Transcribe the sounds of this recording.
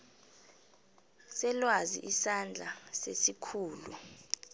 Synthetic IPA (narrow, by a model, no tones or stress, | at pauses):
sɛlwazḭʔisand͡ɮʱasesikʰuːlu